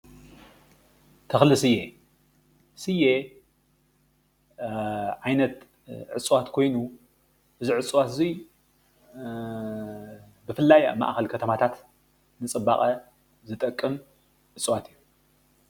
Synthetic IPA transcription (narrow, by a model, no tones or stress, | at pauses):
t̪ʰɐxlɨsɨje | sɨje | ʕajnɐt̪ | ʕɨt͡sʼwat̪kʰo̞jnu | ʔɨziʕɨt͡sʼwat̪ɨzi | bɨfɨlːaja̰ma̰ʔxɐlkʰɐt̪ʰɐmat̪ʰat̪ | nɨt͡sʼɨbːaχʼɐ | zɨt̪ʼɐkʼːɨm | ʕɨt͡sʼwat̪ɨjːu